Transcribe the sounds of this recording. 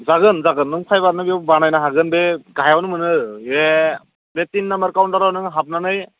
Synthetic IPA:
zaɡɯnzaɡɯnːɯŋpʰajbaɾnɯbibanajnaɦaɡɯnbeɡajawnɯmɯnɯe | betinːambəɾkawnʈaɾawnɯŋɦap̚nanɯj

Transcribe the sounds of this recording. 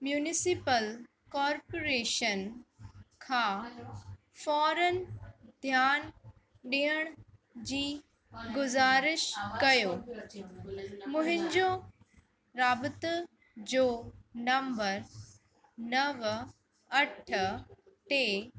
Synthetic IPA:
mjuːnɪsɪpəl | kɔːɾpoɾeːʃən | kʰãː | fɔːɾənd̪ʱjaːn | ɗiɦəɽ̃d͡ʑiː | ɡʊzaːɾɪʃkɐjoː | mʊ̃ɦɪ̃ɲd͡ʑo | ɾaːbɪt̪ | d͡ʑoːnɐ̃mbəɾ | nɐʋ | ɐʈ̆ʰ | t̪e

